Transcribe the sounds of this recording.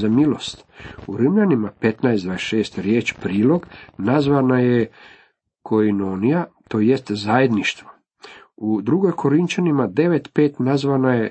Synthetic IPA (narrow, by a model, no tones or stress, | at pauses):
zamilo̞̰st̪uɾimʎanimape̞t̪naesd̪vaːdesʃe̞ːst̪ɾje̞ːt͡ɕpɾiːlo̞ɡnazʋanaje | kʰo̞inonijat̪o̞jest̪zajed̪niʃt̪ʋo | ud̪ɾuɡo̞jkʰo̞ɾint͡ɕanimad̪e̞ʋe̞t̪pe̞ːt̪nazʋanaje̞